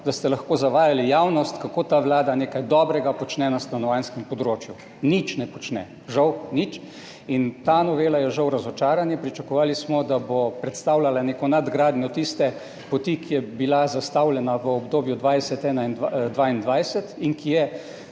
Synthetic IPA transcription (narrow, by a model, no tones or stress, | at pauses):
d̪ast̪ɛlɐxkoːzaʋaːjalijawnɔst̪kakoːt̪aːʋlaːd̪aneːkajd̪ɔːbɾɛɡapɔt͡ʃnɛnast̪anɔʋanskɛmpɔd̪ɾoːt͡ʃju | nit͡ʃnɛpɔt͡ʃnɛ̰ | ʒawnit͡ʃ | int̪aːnɔʋeːlajɛʒawɾazɔt͡ʃaːɾanjɛpɾit͡ʃakɔʋaːlismɔd̪abopɾɛt̪st̪aːwlʲalaneːkɔnad̪ɡɾaːd̪njɔt̪ist̪ɛ | pɔt̪ikijɛbilazast̪awlɛnaʋəɔbd̪oːbjud̪ʋajsɛt̪ɛːnaind̪d̪ʋaːind̪ʋajsɛt̪iŋkʰijɛ